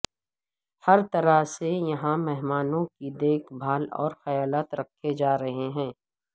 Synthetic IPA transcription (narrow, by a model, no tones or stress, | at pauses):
hɐɾt̪ɐɾasejɐɦãmɛɦmaːnõkid̪eːkʰbʱaːlɔ̰ːɾxɐjaːlaːt̪ɾɐkʰːed͡ʒaːɾɐɦeɦɛ̃ː